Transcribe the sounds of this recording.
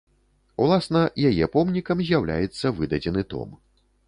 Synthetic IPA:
ulˠasnɐjajɛpɔmnʲikɐmzʲjawlʲa̰jɛt̪sːɐvɨd̪ɐd͡zʲɛnɨt̪ɔ̰m

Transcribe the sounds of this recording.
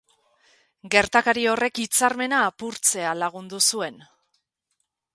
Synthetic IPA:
ɡe̞ɾt̪akaɾio̞re̞kit͡saɾme̞naːpuɾt͡se̞alaɣ̞und̪usue̞n

